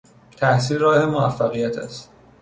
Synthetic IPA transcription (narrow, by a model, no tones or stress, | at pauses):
t̪ʰæhsiːlɾɒːhe̞moæfːæɣijæt̪ʰæ̰st̪